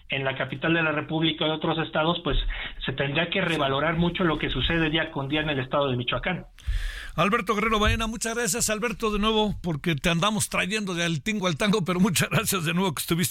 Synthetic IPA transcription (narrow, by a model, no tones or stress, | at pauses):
e̞nlakapit̪ald̪e̞lare̞puβlikaðeo̞t̪ɾo̞se̞st̪að̞o̞spwe̞sːe̞t̪e̞nd̪ɾiake̞re̞βalo̞ɾaɾmut͡ʃo̞lo̞ke̞suse̞ðe̞ðiakond̪iaene̞le̞st̪aðo̞ðemit͡ʃwakan | alβe̞ɾt̪o̞ɣere̞ɾo̞βaenamut͡ʃazɣɾasjasalβe̞ɾt̪o̞ðenwe̞βo̞po̞ɾke̞t̪eand̪amost̪ɾaʝe̞nd̪o̞ðealt̪iŋɡoalt̪aŋɡo̞pe̞ɾo̞mut͡ʃazɣɾasjazðenwe̞βoke̥st̪uβis